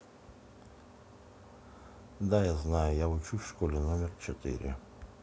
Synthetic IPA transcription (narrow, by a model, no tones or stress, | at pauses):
d̪ajaznajjaut͡ʃufʃkolʲinomʲɛrt͡ʃɛt̪ɪ̰ɾʲɪ̰